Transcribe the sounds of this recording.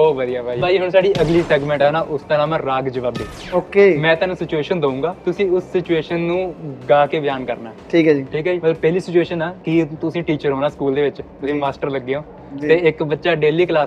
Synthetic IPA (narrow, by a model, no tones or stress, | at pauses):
oːbəd̪ijaːpʰaːiːbʰʱaːiːɦəɳ̃saːɽiːʔəɡliːsɛːɡmɛ̃ːɳʈɛːnaːʔʊst̪əɾãːmãːɾaːɡd͡ʒəʋaːbd̪eːoːkeːmɛ̃ːt̪aːnũːsɪt͡ʃueːʃənd̪əũːŋɡaːt̪ʊsĩːʊsːɪt͡ʃueːʃənːũːɡaːkeːbɪjaːnkəɾnaːʈʰiːkaːd͡ʒiːʈʰiːkɦaːd͡ʒimət̪ləbpɛɦliːsɪt͡ʃueːʃənaːkɪt̪ʊsĩːʈiːt͡ʃəɾɦoːnaːskuːld̪eːʋɪt͡ʃt̪ʊsĩːmaːsʈəɾləɡːeõː | t̪eːɪkbətːʃaːɖeːliːklaːs